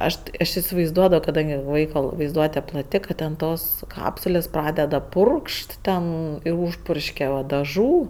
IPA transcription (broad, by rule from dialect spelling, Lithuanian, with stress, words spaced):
ˈɐʃ tʲɪ ɐʃ ɪsʲɪʋɐɪzˈduɔdɐʋoː kɐˈdɐŋʲɡʲɪ ˈʋɐɪkoː ʋɐɪzˈduɔtʲɛ plˠɐˈtʲɪ kɐt ˈtʲɛn ˈtoːs ˈkɑːpsʊlʲeːs ˈprɑːdʲɛdɐ ˈpʊrkʃt ˈtʲɛn ɪr ˈuːʃpʊrʲʃʲkʲɛ ʋɐ dɐˈʒuː